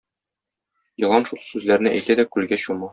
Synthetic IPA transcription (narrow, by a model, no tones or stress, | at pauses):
jɤ̆lˠɑnʃulˠsʉzlæɾnɘʔæjt̪æd̪ækʉlɡæɕumɑ